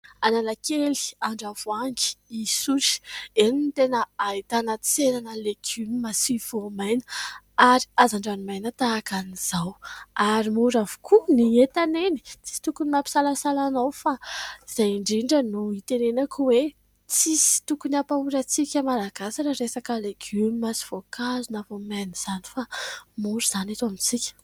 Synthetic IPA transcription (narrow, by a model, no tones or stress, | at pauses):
ananakeli̥aɳɖ͡ʐavuaŋɡi̥isuɾi̥eninit̪enəait̪anət͡senanəlekʰymimasiv̥omajnə̥ | aɾi̥azaɳɖ͡ʐanimajnət̪aːkaniz̥awaɾimuɾavu̥kʰuniet̪aneni̥t͡si̥si̥t̪ukunimapi̥salasalanawfaiz̥ajiɳɖ͡ʐiɳɖ͡ʐənuit̪enenakuwe | t͡sisi̥t̪ukuniapauɾət͡sikʲəmalaɡasaʈ͡ʂəɾesakəleɡymimasi̥v̥okazunavomajniz̥ani̥famuɾiz̥anat̪amit͡sikʲə̥